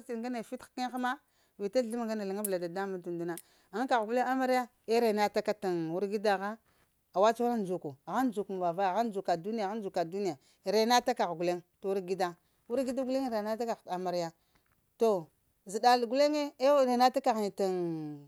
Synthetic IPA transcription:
t͡ʃi˨ɡa˦ne˨fi˦tki˦ŋ˦xa˦ma˦ | vi˨ta˦˨˦i˦ma˨ŋɡa˦na˨la˨ŋa˦vla˨da˨da˦mu˦tu˨n˨du˦na˦ | a˦ŋ˦ka˨ɣɡu˦le˦ŋa˦ma˦ɾja˦ | e˦ɾe˨na˦ta˦ka˦ta˨nwu˦ɾɡi˦da˦˨ɣa˦ | a˨wa˦t͡ʃu˦a˦n˦d͡ʒu˨ku˨ɣa˦n˦d͡ʒu˨kma˨va˨va˦˨ɣa˦n˦d͡ʒu˨ka˨du˦n˦a˨ɣa˦n˦d͡ʒu˨ka˨du˦ni˦ja˨ | ɾe˨˦na˦ta˦ka˨ɣɡu˨le˦ŋto˨wu˦ɾɡi˦da˦ | wu˦ɾɡi˦da˦ɡu˦le˦ŋ˦ɾe˨na˦ta˦ka˨ɣa˨ma˨ɾa˦ | to˨ | zi˨da˨lɡu˦le˦ŋe˦e˦ɾe˨na˦ta˦ka˨ɣn˨ta˨ŋ

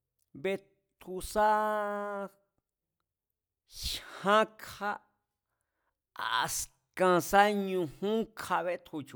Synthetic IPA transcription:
βe˧ | t̪ʰu˧sa˦ | ʃhã˦kʰa˧ | a˨s | kã˧sa˦ɲũ˧hũ˦kʰa˧βe˧t̪ʰu˧t͡ʃu˧

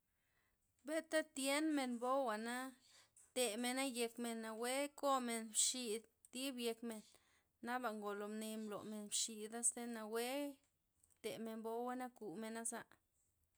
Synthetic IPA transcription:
be˦t̪a˦t̪je˦nme˧nbo˦wa˨na˦ | t̪e˨me˨na˦je˧kme˨nːa˨we˦ko˦me˨nbʃi˧d̪ | t̪i˦bje˧kme˨nː | a˦ba˨ŋɡo˨lo˨mni˧mblo̰˨me˨nbʃi˧˨d̪a˦st̪e˦na˨we˦ | t̪e˨me˨nbo˦wa˦na˦ku˨me˨na˦za˧ʔ

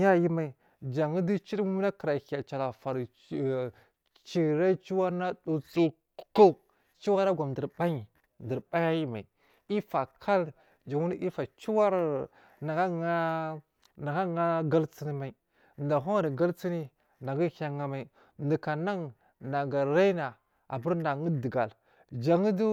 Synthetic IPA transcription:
ja˦˨ji˦ma˨i˨ | d͡ʒa˨ŋi˦di˦t͡ʃi˦ɾmu˦na˦kə˨ɾa˨ha˨t͡ʃa˨la˨fa˨ɾ | t͡ʃi˨ɾa˦t͡ʃi˦wa˦ɾna˦du˨t͡su˦ | ko˦ | t͡ʃi˦wa˦na˦ɡʷa˨mdə˨ɾba˦i˨ | n˨də˨ɾba˦ja˦ji˦ma˨i˨ | i˦fa˨kʰa˦l | d͡ʒa˨ŋu˦n˦ʔi˦fa˨t͡ʃu˦wa˦ɾ | na˨ɡa˦ŋa˦ | na˨ɡa˦ŋa˦ɡa˦lt͡si˦ni˦ma˨i˨ | da˨ɦo˦˨ɾi˨ɡa˦lt͡si˦ni˦ | na˨ɡi˦ha˨ŋa˦ma˨i˨ | di˨ka˨na˦ŋ | na˨ɡa˨ɾa˦i˦na˨ | a̰˨bu˦ɾna˨ŋi˦də˨ɡa˨l | d͡ʒa˨ŋi˦du˦

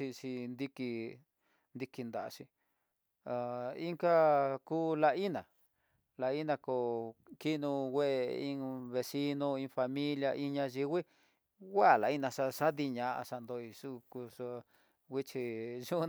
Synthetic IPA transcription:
i˧ʂi˧nd̪i˧ki˧ | nd̪i˧ki˧nd̪a˨a̰˧ʃi˧ | a˨i˦ŋka˦kuː˦la˧i˦nã˨ | la˧i˦nã˧ko˧ki˦nũ˧wʷe˦e˧ĩ˧βe˧si˦nõ˧ĩ˧fa˧mĩ˦lja˧ʔĩ˧ɲã˧ʒi˧wi˦ | ɣa˦˨la˨i˦nã˧ʂa˧ʂa˦ði˧ɲã˧ʔa̰˧ʂa˧nd̪o˧i˧ʂu˦ku˧ʂa˧ | wʷi˦t͡ʃi˧ʒu˦

